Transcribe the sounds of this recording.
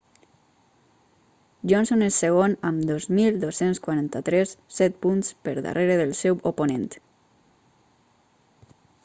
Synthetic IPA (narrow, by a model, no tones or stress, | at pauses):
ʒɔnsonesːəɣ̞onəmd̪ozmilˠd̪osenskwaɾant̪ət̪ɾɛsːɛt̪̚punspəɾða̰rʔeɾeðəlˠsɛwoponent̪